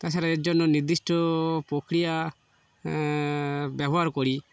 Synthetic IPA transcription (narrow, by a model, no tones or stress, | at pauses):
t̪at͡ʃʰaɾaed͡ʒɔnːɔniɾd̪isʈɔpɾokɾija | bɛbɔɦaɾkɔɾi